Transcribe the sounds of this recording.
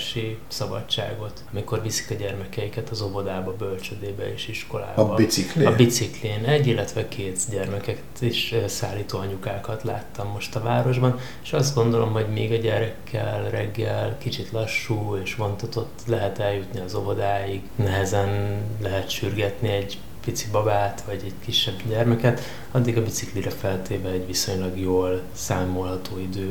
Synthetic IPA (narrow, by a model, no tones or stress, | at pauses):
ʃisɒbɒ̰t͡ʃːa̰ːɡo̞t̪ɒmiko̞rvisi̥kɒɟɛrmɛkɛjikɛt̪ɒzo̞vo̞d̪aːbɒbø̞lt͡ʃød̪eːbɛeːʃiʃko̞̰la̰ːbɒbisikliɒbit̪sikliːnɛɟːilːɛt̪ʋɛkʰeːt̪ɟɛrmɛkɛkt̪iʃøsaːlːiːt̪oːɒɲukaːkɒt̪la̰ːt̪ːɒmːo̞ʃt̪ɒvaːɾo̞ʒbɒn | e̥ʃɒzd̪ɡond̪o̞lo̞mɦo̞ɟmeːɡɒɟɛɾɛkʰːɛ̰lrɛɡːɛlkit͡ʃit̪lɒʃːuːeːʃvo̞nt̪ɒt̪o̞t̪ːlɛɦɛt̪ɛljut̪niɒzo̞vo̞d̪aːjiɡnɛɦɛzɛnlɛɦɛt̪ʃyrɡɛt̪niɛɟ | pit̪sibɒbaːt̪ʋɒɟɛɟkiʃːɛbɟɛrmɛkɛt̪ | ɒd̪ːiɡɒbisikliɾɛfɛlt̪eːvɛːɟʋiso̞ɲlɒɡjoːl | saːmo̞lɦɒt̪oːid̪øː